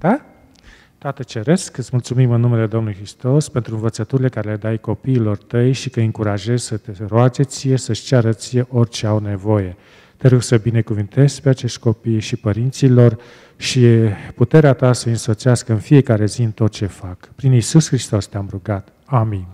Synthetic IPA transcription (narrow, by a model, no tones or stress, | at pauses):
d̪̥a | t̪at̪ət͡ʃe̞ɾe̞skɨt̪smult̪sumimɨnːume̞le̞d̪o̞mnulujxɾist̪o̞spe̞nt̪ɾuɨnvət̪sət̪uɾile̞kaɾe̞le̞d̪ajko̞piːlo̞rt̪əjʃikəɨŋkuɾaʒe̞zsət̪eɾoad͡ʒe̞t̪sije̞səʃt͡ʃaɾət̪sije̞ʔo̞rʲt͡ʃe̞awnevo̞je̞ | t̪eɾoɡsəbine̞kuvɨnt̪e̞z̥pe̞at͡ʃe̞ʃt̪ʲko̞pijʃipəɾint̪silo̞r | ʃiput̪e̞ɾeat̪asəɨnso̞t̪seaskəɨnfije̞kaɾe̞ziɨnt̪o̞t̪̚t͡ʃe̞fakpɾinisusxɾist̪o̞st̪eamɾuɡat̪ | amin